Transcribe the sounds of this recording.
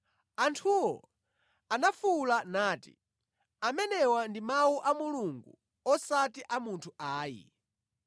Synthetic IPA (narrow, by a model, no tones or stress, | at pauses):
antʰuɔ̰ | anafulanaːtḭ | amɛnɛwandimawuʔamuluŋɡu | ɔsatiʔamuntʰuʔaːjḭ